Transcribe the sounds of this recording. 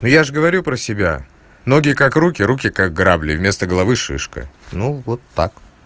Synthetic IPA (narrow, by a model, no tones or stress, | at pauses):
nujaʐɨɡəvɐɾʲupɾəsʲɪbʲa̰ | no̞ɡʲɪjəkakrukʲɪɾukʲɪkaɡ̚ɡɾablʲɪ̰vʲmʲe̞st̪əɡəlˠɐvɨʂɨ̰ʂkə̰nuvot̪ːak